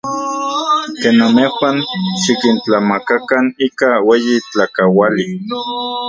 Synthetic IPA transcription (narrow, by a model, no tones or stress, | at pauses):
keːnamexʷanʃikint͡ɬamakakaniːkaweːjit͡ɬakawali